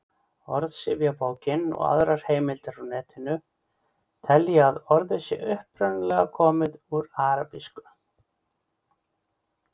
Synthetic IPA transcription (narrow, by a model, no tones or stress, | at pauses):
ɔ̰ɾðsɪvjapoːwcɪnɔ̰ɣa̰ðɾaɾ̥heːjmɪlt̪aɾanɛːt̪ʰɪnʏ | t̪ʰɛljaaðɔɾðɛsɪ̰ʔʏhpɾœnalɛɣakʰɔːmɪðuɾaːɾapiskʏ̥